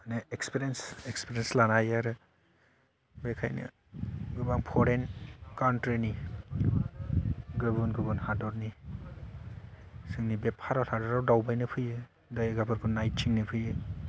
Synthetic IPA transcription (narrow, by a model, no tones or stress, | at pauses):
aneekspiɾensekspiɾenslanajaɾɯ | bekʰajnɯ̰ | ɡɯbaŋpʰɔɾenkantɾini | ɡɯbunɡɯbɯnhadɔɾni | sɯŋnibepʰaɾɔhadɔɾawdawbajnɯpʰɯjɯ | dajɡabʰɯɾbʰɯnːajt̚t͡ʃʰiŋnipʰɯjɯ